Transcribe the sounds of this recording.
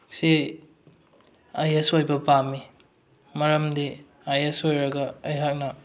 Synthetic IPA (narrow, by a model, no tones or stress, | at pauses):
se | ajesojbɐpami | mɐɾɐmdi | ajesojɾɐɡɐːjɦak̚nɐ